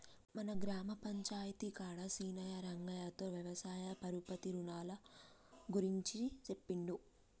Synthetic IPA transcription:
mɐnɐɡɾaːmɐpɐɲt͡ʃaːjɐt̪ikaːɽɐsiːnɐjɐɾɐŋɡɐjaːt̪oːʋjɐʋɐsaːjɐpɐɾupɐt̪iɾunaːlɐ | ɡuɾiɲt͡ʃit͡ʃepːiɳɖu

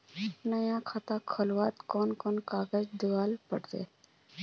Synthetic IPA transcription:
nəjãkʰaːt̪ãkʰəlwaːt̪koːnkoːnkaːɡəd͡ʒd̪ʊʋaːlpəɽd̪ḛː

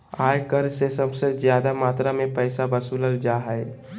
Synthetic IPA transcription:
aːjkəɾsesəbsəd͡ʒjad̪amaːt̪ɾamepəɪsabəsuləld͡ʒaɦəj

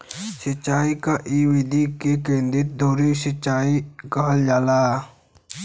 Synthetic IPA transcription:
sət͡ʃːaːikaʔiʋid̪ikekẽːnd̪ɪt̪̚d̪ʱoːɾisət͡ʃːaːikad͡ʒaːlaː

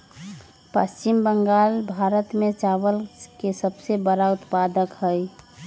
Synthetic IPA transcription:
pə̰st͡ʃimbəŋɡaːlbʱaɾət̪mẽt͡ʃaʋəlkesəbsebəɾaʊt̪pad̪əkɦəj

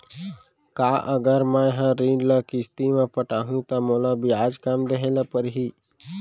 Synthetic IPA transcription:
kaːʔəɡəɾmɛ̃ɦãɾĩːɳɖləkɪst̪imẽpəʈaːɦũt̪amoːlabʱiaːd͡ʒkamd̪eɦeːlapəɾɦi

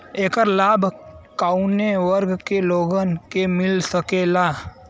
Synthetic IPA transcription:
eːkəɾlaːbʱkaːuneʋəɾɡkeloːɡənkemɪlsəkelaː

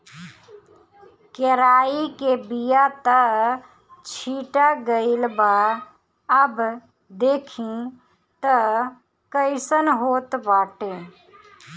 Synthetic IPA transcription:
keɾaːikebijat̪ə | t͡ʃʰiːʈaɡəɪlbaː | əb | d̪eːkʰĩ | t̪ə | kəɪsənɦoːt̪baːʈẽː

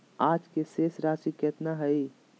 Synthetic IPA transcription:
aːd͡ʒkeseːsɾaːsikɛːt̪naɦəi

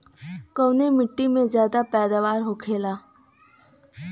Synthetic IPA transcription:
koːnemɪʈːimẽzjaːd̪apɛːd̪aʋaːɾɦoːkʰeːlaː

